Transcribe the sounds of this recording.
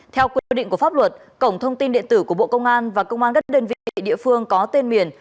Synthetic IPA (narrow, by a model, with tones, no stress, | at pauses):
t̪ʰɛ˧wkwi˧i˧ɗï˧˨ŋku˧˩əfaː˦˥p̚lwə˨˩t̚ | kə˧˩wŋ͡mt̪ʰə˧wŋ͡mt̪i˧nɗḭ˧˨ənt̪ɨ˧˩ku˧˩əɓo̰˧˨kə˧wŋ͡mʔaː˧nvaː˨˩kə˧wŋ͡mʔaː˧nɣə˦˥ɗəː˧nvḭ˧˨˧ḭ˧˨ɗḭ˧əfɨ˧əŋkɔ˨˦t̪e˧nmi˨˩ən